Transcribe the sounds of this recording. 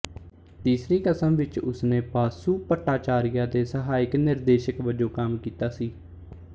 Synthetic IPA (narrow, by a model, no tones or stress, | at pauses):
t̪iːsɾiːkəsəmʋɪt͡ʃʊ̰snẽːpaːsuːpəʈːaːt͡ʃaːɾɪjaːd̪eːsəɦaːɪknɪɾd̪eːʃəkʋəd͡ʒoːkəmkiːt̪aːsiː